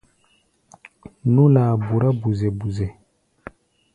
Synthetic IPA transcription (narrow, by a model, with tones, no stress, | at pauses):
nũ˦laː˨bu˨ɾa˦bu˨zɛ˨bu˨zɛ˨